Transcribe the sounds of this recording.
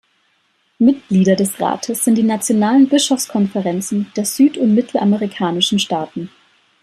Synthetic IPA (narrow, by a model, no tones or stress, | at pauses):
mɪt̚ɡ̥liːɾɐdɛsʁa̰ːtʰəsz̥ɪntd̥iːnat͡sjonaːlənbɪʃɔfskʰɔnfɛʁɛnt͡sn̩d̥eːɐz̥yːtʊntmɪtʰl̩ʔaməʁikʰaːnɪʃn̩ʃtaːtn̩